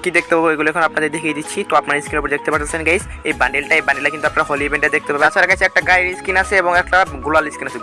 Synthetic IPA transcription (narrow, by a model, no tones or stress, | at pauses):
kid̪ek̚t̪epaboeɡuloɛkʰonoap̚nad̪eɾd̪ekʰied̪itːɕʰit̪oapnaniskinopoɾd͡ʑek̚t̪epaɾt̪at͡ɕʰenɡajs | ejbaɳɖelʈaebaɳɖelakint̪uapnaɾaɦoliebeɳʈed̪ek̚t̪epabeat͡ɕʰaɾaɡajt͡ɕʰɛk̚ʈaɡajɾiskinat͡ɕʰeeboŋɛk̚ʈaɡulaliskinat͡ɕʰe